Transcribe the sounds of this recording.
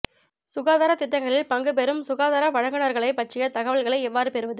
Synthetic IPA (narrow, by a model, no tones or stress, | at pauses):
sʊɣaːðaːɾɐt̪ɪt̪ːɐŋɡɐɭɪlpɐŋɡɯp̬ɛɾɯmsʊɣaːðaːɾɐʋɐɻɐŋɡɯɳɐɾɣɐɭɐɪpɐʈrɪjɐt̪ɐɣɐʋɐɭɣɐɭɐɪɛʋːaːɾɯpɛɾɯʋɐðɯ